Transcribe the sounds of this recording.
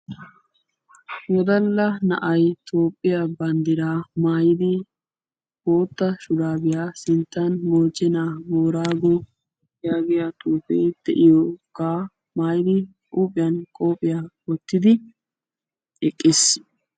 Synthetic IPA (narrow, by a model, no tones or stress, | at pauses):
wɔd̪ɐlːɐnɐ̰ʔɐjt̪ʰo̞ːpʼːɪjabɐnd̪ɪɾaːmaːjɪd̪ɪ | bo̞ːt̪ːɐʃʊd̪aːbɪjaːsɪnt̪ːɐnmoːt͡ʃːɛnaːɡoːɾaːɡɔ | jaːɡɪjat̪uːpɛ̰jd̪̥ɛ̰ʔɪjɔkːaː | maːjɪd̪ɪkʼuːpʼːɪjɐnkʼo̞ːpʼːɪjawɔt̪ːɪd̪ɪ | ɛkʼːɪs